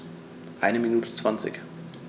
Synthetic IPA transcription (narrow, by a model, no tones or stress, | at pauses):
ʔaɪnəminuːtət͡sv̥ant͡sɪ̰ç